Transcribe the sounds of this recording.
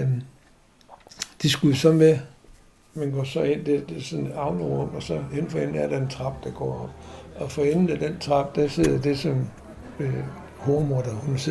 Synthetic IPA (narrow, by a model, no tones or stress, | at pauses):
d̥isɡ̥usɒ̽nʋe | menɡ̥ɒ̰sɒ̽en̰d̥eɐd̥e̝sɒ̽nɑ̈ʊnəʁɔ̽m̰̥ɒ̽sɒ̽hen̰fɒen̰̩æɐɾ̥ɑ̈e̝nt͡sʰʁɑ̈b̥d̥ɑ̈ɡ̥ɒ̰ːɒ̽b̥ɒ̽fɒ̽enn̩æd̥ent͡sʰʁɑ̈b̥̚d̥æse̝ð̰ˠd̥e̝sɒ̽m | hoːmod̥ɐhunse